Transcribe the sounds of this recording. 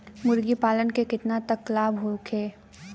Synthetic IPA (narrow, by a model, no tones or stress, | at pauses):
mʊɾɡipaːlənkekɪt̪nat̪ɐklaːbɦokʰeː